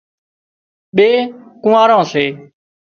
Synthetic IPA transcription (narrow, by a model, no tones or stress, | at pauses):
ɓeːkʊ̃aːɾãːseː